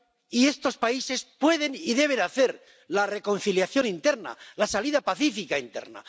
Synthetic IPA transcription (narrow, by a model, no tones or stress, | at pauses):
ie̞st̪o̞spaise̞spwe̞ðe̞niðe̞βe̞naθe̞ɾ | lare̞ko̞n̟θiljaθjo̞nint̪e̞ɾna̰lasaliðapaθifikaint̪e̞̰ɾna̰